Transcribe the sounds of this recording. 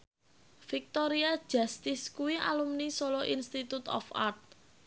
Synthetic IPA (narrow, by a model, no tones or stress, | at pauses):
fik̚t̪ɔɾiḁʒ̥a̤st̪ɪskuwiʔa̰lumnisolɔʔinst̪it̪ut̪ɔ̰fa̰rt̪̚